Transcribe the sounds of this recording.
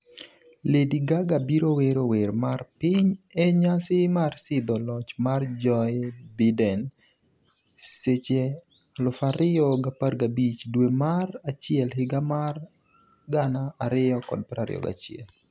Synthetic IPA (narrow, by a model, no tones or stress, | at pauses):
lediɡaɡabiɾoweɾowermarpɪɲɛɲasɪmarsɪd̪ɔlɔt͡ʃmard͡ʒɔbɪdɛn | set͡ʃe | lʊfaɾɪɔɡaparɡabit͡ʃdwemarat͡ʃɪɛlhɪɡamar | ɡanaːɾɪjɔkɔ̰d̚pɾaɾɪ̰ɔ̰ɡa̰t͡ʃɪɛ̰l